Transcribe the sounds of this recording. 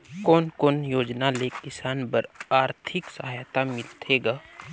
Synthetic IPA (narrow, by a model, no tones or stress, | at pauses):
koːnkoːnjoːd͡ʒnalekɪsaːnbəɾaːɾt̪ʰɪksəɦaːjt̪amɪlt̪ʰeɡa